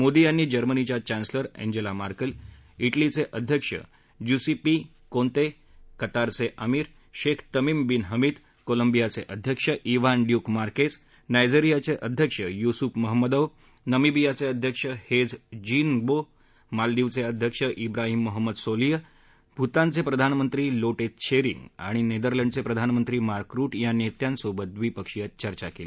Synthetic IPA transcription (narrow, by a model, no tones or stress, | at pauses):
mod̪ijanːid͡ʑəɾmənit͡ɕjat͡ɕansləɾḛ̃ɲd͡ʑelamaɾkəl | iʈlit͡seʔəd̪ʱjəkʂə̰ | jusipi | kont̪e | kət̪aɾt͡seʔəmiɾ | ʃekʰt̪əmimbinɦəmit̪ | koləmbijat͡seʔəd̪ʱjəkʂəʔiʋanɖjukmaɾkes | najd͡ʑiɾijat͡seʔəd̪ʱjəkʂəjusupməɦəmːəd̪əʋ | nəmibijat͡seəd̪ʱjəkʂəhed͡zd͡ʑiːnbo | mald̪iʋt͡seəd̪ʱjəkʂəʔibɾaɦiːmːoɦəmːəd̪solijə | bʱut̪ãnt͡sepɾəd̪ʱanmənt̪ɾiːloʈet̪t͡ɕeɾḭŋɡa̰ɽ̃ined̪əɾləɳɖt͡sepɾəd̪ʱanmənt̪ɾiːmaɾkɾuːʈjanet̪jansobət̪ʋiːpəkʂijət̪̚t͡ɕəɾt͡ɕakeli